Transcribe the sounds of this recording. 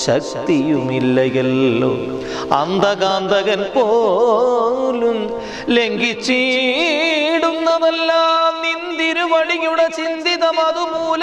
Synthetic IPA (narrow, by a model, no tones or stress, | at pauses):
ɕɐk̚t̪ijumilːɐjɐlːo̰ | ɐ̰nd̪ɐɣaːnd̪ʱɐɣɐnpoː | lum | le̞ŋɡit͡ɕːi | ɽunːɐðɐlːaːnind̪iɾuʋɐɽiɲːuɽet͡ɕind̪iðɐmɐðumuːl